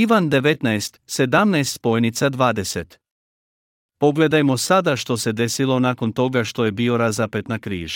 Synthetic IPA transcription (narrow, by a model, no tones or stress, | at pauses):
iʋand̪e̞ʋet̪naest̪se̞d̪amnaest̪spo̞jnit̪sad̪ʋaːd̪e̞set̪ | po̞ɡle̞d̪ajmo̞sad̪aʃt̪o̞se̞d̪e̞silo̞naːko̞nt̪o̞ɡaʃt̪o̞je̞bio̞ɾazape̞t̪nakɾḭːʒa